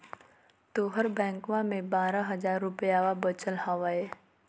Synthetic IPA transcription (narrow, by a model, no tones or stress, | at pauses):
t̪oːɦəɾbɛ̃ːŋkʋamẽbaːɾaɦɐzaːɾːʊpəjaːʋabət͡ʃəlɦaʋaːɛː